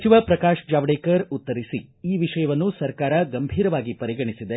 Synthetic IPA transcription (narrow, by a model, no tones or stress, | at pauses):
t͡ʃiʋɐpɾɐkaːʂd͡ʒaːʋɽeːkɐɾut̪ːɐɾisiiːʋiʂɐjɐʋɐnːusɐɾkaːɾɐɡɐmbʱiːɾɐʋaːɡipɐɾiɡɐɳisid̪e